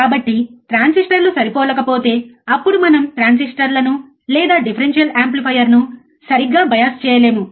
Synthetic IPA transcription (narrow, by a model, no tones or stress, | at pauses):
kaːbɐʈːiʈɾaːnsisʈɐɾnusɐɾipɔːlɐkɐpoːt̪e̞ːɐpːuɽumɐnɐmʈɾaːns̬isʈɐɾlɐnu | lɛːd̪aːɖipʰɐɾenʃjɐlaːmplipʰɐjɐɾnu | sɐɾiɡːaːbɐjɐst͡ʃɛːjɐle̞ːmu